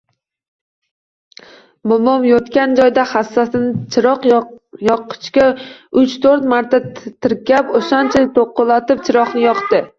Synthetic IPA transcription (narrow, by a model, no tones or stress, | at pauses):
mʊmɒmjɒt̪kʲand͡ʒɒjd̪ahasːasɪnɪt͡ʃɾɒqjɒqɨ̥t͡ʃkʲaʊt͡ʃt̪ʰoɾt̪maɾt̪ʰat̪ʰɪɾkʲapoʃant͡ʃʰat̪ʰoqːɨlat̪ɪpt͡ʃʰɪɾɒqnɪjɒqt̪ɪ